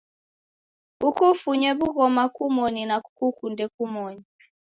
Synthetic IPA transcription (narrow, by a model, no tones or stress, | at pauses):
ukʰufuɲɛβuk̬ɔmakʰumoninakukʰundʱɛkumoːni